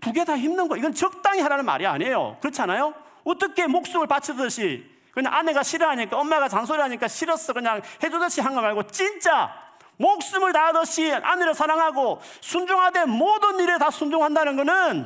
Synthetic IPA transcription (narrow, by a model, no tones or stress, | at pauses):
tuɡetaçimnɯnɡʌiɡʌnt͡ɕʌk̚t͈aŋiɦaɾanɯnma̰ɾia̰ɲe̞jo̰kɯɾʌt͡ɕʰianajo | ot͈ʌkʰe̞mok̚s͈ɯmɯɭpat͡ɕʰʌdɯɕʰi | kɯɲa̰ŋʔane̞ɡaɕʰiɾʌɦaɲik͈aʌnmaɡat͡ɕansʰoɾiɦaɲik͈aɕʰiɾʌs͈ʌkɯɲaŋhe̞d͡ʑudʌɕʰiɦanɡʌnaɭɡot͡ɕ͈int͡ɕ͈a | mok̚s͈ɯmɯɭtaadɯɕʰiʔa̰neɾʌsʰaɾaŋɦaɡo | sʰund͡ʑuŋɦademodɯniɾetasʰund͡ʑuŋɦandanɯnɡʌnɯn